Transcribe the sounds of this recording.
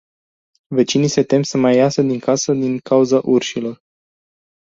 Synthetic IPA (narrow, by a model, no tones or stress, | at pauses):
ve̞t͡ʃinise̞t̪e̞msəmajːasəd̪iŋkʰasəd̪iŋkauzaʔurʃilo̞r